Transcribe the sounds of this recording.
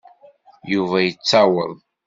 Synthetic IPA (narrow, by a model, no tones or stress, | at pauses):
juvæjət͡sːawə̰ðˤ